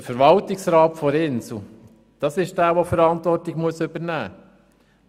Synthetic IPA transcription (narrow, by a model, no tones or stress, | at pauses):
fəɾʋɑltɪksɾɑːtfɔɾɪnsl̩ | d̪̥ɑsɪʃd̥æːʋofəɾɑntʋɔrtːɪɡmuəsɵbəɾnæː